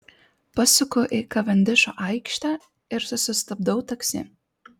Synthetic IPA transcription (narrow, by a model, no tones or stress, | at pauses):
pɐsʲʊkoʔikɐʋʲɐnʲd̪ʲɪʃo̰ːʔɐɪkʃt̪ʲæː | ɪɾsʊsʲʊst̪ɐb̚d̪ɐʊt̪ɐksʲɪ̰